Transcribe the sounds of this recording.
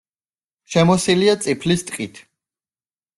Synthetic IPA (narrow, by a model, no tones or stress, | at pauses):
ʃɛmɔsiliat̪sʼipʰlist̪ʼqʼit̪ʰ